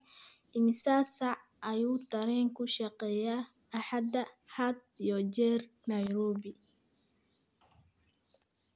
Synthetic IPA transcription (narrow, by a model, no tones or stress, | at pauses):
ʔɪmɪsaːsaʕ | ɐjuːt̪ʰɐɾɛːŋkʰʊʃɐqɛːjaː | ħad̪ɐhad̪̚ijɔd͡ʒɛːrnɐjɾɔːbɪ